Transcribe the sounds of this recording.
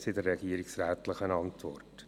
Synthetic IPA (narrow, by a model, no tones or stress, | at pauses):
sɪdəɾːɛɡiːəɾɪksɾæːtləχənɑntʋɔ̰rt